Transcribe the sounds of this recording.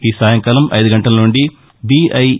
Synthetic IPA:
iːsaːjɐŋkaːlɐmʔɐ̰jd̪uɡɐɳʈɐlɐnuɳɖi | biɐj

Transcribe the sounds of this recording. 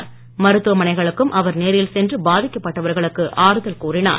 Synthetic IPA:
mɐɾɯt̪ːɯʋɐmɐnɐɪɣɐɭɯkːɯmʔɐʋɐɾneːɾjɪlsɛndrɯbaːðɪkːɐpːɐʈːɐʋɐɾɣɐɭɯkːɯʔaːɾɯðɐlkuːrɪna̰ːɾ

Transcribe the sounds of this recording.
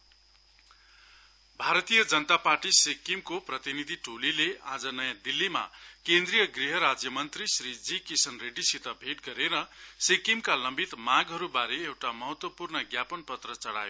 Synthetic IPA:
bʱaɾʌt̪ijʌd͡zʌnʌt̪aparʈisekimkoprʌt̪inid̪ʱiʈolilead͡zʌnʌjãd̪ilːima̰kend̪rijʌɡriɦʌɾad͡zjʌmʌnt̪risɾid͡zikisʌnreɖisit̪ʌbʱeʈ̚ɡʌɾeɾʌsekimkalʌmbit̪mãɡɦʌɾubaɾeewʈamʌɦʌt̪wʌpurnʌɡjapʌnpʌt̪rʌt͡sʌɽa̰jo

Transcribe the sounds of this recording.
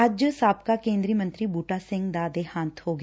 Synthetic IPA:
əd͡ʒsaːp̚kakẽːnd̪ɾiːmə̃nt̪ɾiːbuːʈaːsɪ̃ŋɡd̪ad̪ehãːt̪ʰhoːɡ

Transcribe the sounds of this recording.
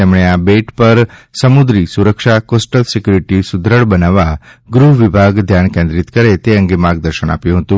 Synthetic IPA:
emɳ̃eabeʈpəɾsəmud̪ɾisuɾəkʃakosʈəlsikjuɾiʈisud̪ʱɾəɭbənaʋaɡɾuɦʋibʱaɡd̪ʱjankẽnd̪ɾit̪kəɾet̪eəŋɡemaɡ̚d̪əɾʃəna̰pjũɦət̪ũ

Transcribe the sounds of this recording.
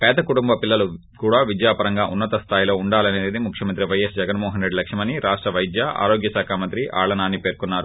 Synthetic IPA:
pɛːd̪ɐkuʈumbɐpilːɐlu | kuːɽaːʋid͡ʒ̪jaːpɐɾɐŋɡaːʔunːɐt̪ɐst̪ʰaːjilo̞ːuɳɖaːlɐne̞ːd̪imukʰjɐmɐnt̪ɾiʋɐjesd͡ʒɛɡɐnmɔːɦɐnɾe̞ɖilɐkʂɐmɐniɾaːʂʈɾɐʋɐjd̪jaa̰ːɾoːɡjɐsaːkʰaːmɐnt̪ɾiʔʔa̰ːɭɐnaːnːipe̞ːɾkunːaːɾu

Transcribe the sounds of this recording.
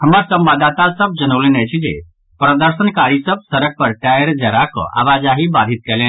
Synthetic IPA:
hɐmaɾsɐ̃mbaːd̪at̪asɐb̚d͡ʒənəʋlenɛt͡ʃʰid͡ʒḛ | pɾəd̪əɾsənkaːɾisəb̚sɐɾəɡ̚pəɾʈaəɾd͡ʒɐɾakɔ̰ʔa̰ːʋaːd͡ʒaɦibad̪ʱɪt̪̚kɛlẽ

